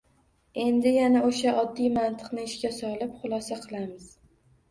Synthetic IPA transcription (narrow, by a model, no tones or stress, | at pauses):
e̞nd̪ɪjanaoʃaʔɒd̪ːijmant̪ʰɨ̥qnɪɪʃkʲasɒlˠɪpχʊlˠɒsaqʰɨlˠamɪz̥